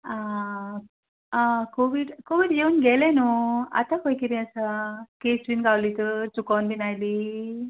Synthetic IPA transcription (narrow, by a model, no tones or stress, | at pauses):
a | akoʋiɖkoʋiʈeʋunɡɛlenua̰t̪akojkiɾĩəsakesʈʋinkawlit̪əɾt͡sukanbinajli